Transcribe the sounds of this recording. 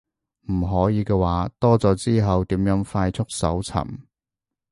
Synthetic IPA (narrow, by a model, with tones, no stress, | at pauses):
m̩˨˩ɦɔː˨˥jiː˨˧kɛː˧waː˨˥t̪ɔː˥t͡sɔː˨˧˥t͡siː˥ɦɐ˨wt̪iː˨˥mjœː˨˥ŋfaː˧jt͡sʰʊ˥k̚sɐ̰˨˥wt͡sʰɐ̰˨˩m